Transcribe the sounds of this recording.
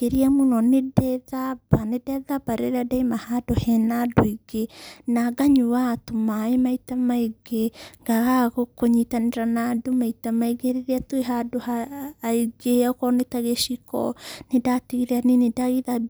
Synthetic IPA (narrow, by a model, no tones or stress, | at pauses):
keɾiamunɔnedɛðabanedɛðabaɾeɾadaimahadohɛnadoiɡenaɡaɲuwatomaemaitamaeɡeŋɡaɣaɣokoɲitaneɾanadomaitamaiɡeɾeɾeatweɦadohaiɡeakɔnetaɣeʃikɔ̰nedatiɣiɾeaninedaɣiða